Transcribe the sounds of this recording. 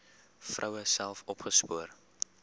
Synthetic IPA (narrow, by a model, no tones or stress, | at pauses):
frʔɐwəsælˠfɔpχəspuər